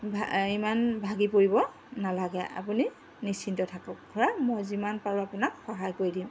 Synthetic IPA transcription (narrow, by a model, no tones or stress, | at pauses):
bʱimanbʱaɡipoɹibɔ | nalaɡɛa̰puni | nisintɔtʰakɔkʰɔɹamojzimanpaɹuapunakxaɦajkoɹidĩ